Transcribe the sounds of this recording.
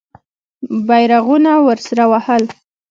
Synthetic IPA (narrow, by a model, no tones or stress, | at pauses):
bajɾaɣunawəɾsaɾawahəl